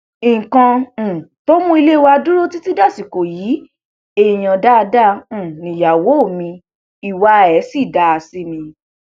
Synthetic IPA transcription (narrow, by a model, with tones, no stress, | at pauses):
ĩ˨kã˧˨to˦mũ˦i˧le˦˧wa˧du˦ɾo˦ti˦ti˦da˦˨si˨ko˨jiː˨˦ | e˦˨j̃ã˧da˦˧dã˦˨nĩ˨ja˨wo˨˦o˦˨mĩ˧ | i˨wa˧ɛ˨˦si˦˨da˦a˧si˦mĩ˧